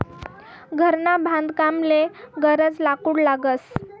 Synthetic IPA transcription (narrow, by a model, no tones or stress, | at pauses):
ɡʱəɾnabʱãnd̪kamleɡəɾət͡slakuːɽlaɡəs